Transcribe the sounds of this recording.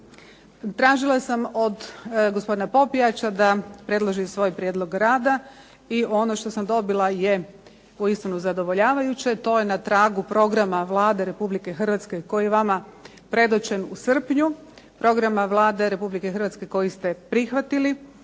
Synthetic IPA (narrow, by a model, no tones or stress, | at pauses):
t̪ɾaːʒilˠasamod̪ɡospd̪inapo̞piat͡ɕad̪apɾe̞d̪lˠoʒisʋo̞ːjpɾjed̪lˠo̞ɡɾaːd̪a | io̞no̞ʃt̪o̞samd̪o̞bilˠaje | uist̪inuzad̪o̞ʋoʎaːʋajut͡ɕet̪o̞ːjenat̪ɾaːɡupɾo̞ɡɾamaʋlˠaːd̪e̞ɾe̞publike̞xr̩ʋat̪ske̞ko̞jijeʋama | pɾe̞d̪ot͡ɕe̞nusr̩pɲu | pɾo̞ɡɾamaʋlˠaːd̪e̞ɾe̞publike̞xɾr̩ʋat̪ske̞ko̞jist̪e̞pɾixʋat̪ili